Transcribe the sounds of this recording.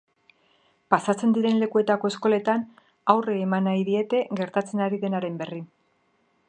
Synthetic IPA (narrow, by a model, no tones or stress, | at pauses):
pasat͡se̞nd̪iɾe̞nle̞kue̞t̪ako̞e̞sko̞le̞t̪an | awreːmanajðie̞t̪e̞ɣe̞ɾt̪at͡se̞naɾiðe̞naɾe̞mbe̞rin